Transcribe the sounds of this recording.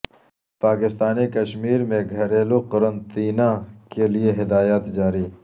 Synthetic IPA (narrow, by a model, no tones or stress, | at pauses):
paːkɪst̪aːnikɐʃmiːɾmẽɡʱɐɾeːloqɐɾə̃nt̪iːnãkelieɦɪd̪aːjaːt̪d͡ʒaːɾiː